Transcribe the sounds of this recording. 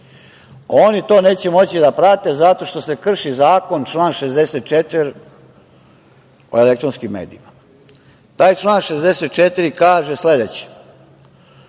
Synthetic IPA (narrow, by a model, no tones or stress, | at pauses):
o̞nit̪o̞ːne̞ːt͡ɕemo̞t͡ɕid̪apɾat̪e̞zat̪oʃt̪o̞se̞kr̩ʃizaːko̞nt͡ʃlˠaːnʃezd̪eset̪̚t͡ʃet̪viɾ | o̞̰elek̚t̪ɾonskimːeːd̪ḭima | t̪aːjt͡ʃlˠaːnʃezd̪eset̪t͡ʃet̪iɾikaːʒesle̞d̪et͡ɕi̥